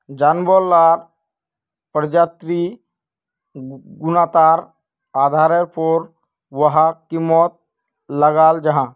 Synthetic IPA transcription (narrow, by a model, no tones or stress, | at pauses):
d͡ʒaːnbolaɾ | pəɾd͡ʒaːt̪ɾi | ɡʊnaːt̪aːɾ | aːd̪ʱaːɾəɾpʰoɾ | ʋəɦakimɔːt̪̚ | ləɡaːld͡ʒɐɦã